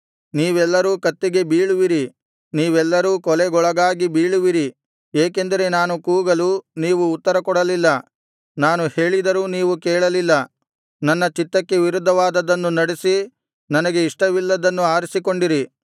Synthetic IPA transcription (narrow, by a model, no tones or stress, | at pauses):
niːʋɛlːɐɾuːkɐt̪ːiɡe̞biːɭuʋiɾi | niːʋɛlːɐɾuːkɔlɛɡɔɭɐɡaːɡibiːɭuʋiɾi | eːke̞nd̪ɐɾe̞naːnukuːɡɐluniːʋuːt̪ːɐɾɐkɔɽɐlilːɐ | naːnuhe̞ːɭid̪ɐɾuːniːʋukɛːɭɐlilːɐ | nɐnːɐt͡ʃit̪ːɐkːe̞ʋiɾud̪ʱːɐʋaːd̪ɐd̪ɐnːunɐɽesi | nɐnɐɡe̞iʂʈɐʋilːɐd̪ɐnːuaːɾisiko̞ɳɖiɾi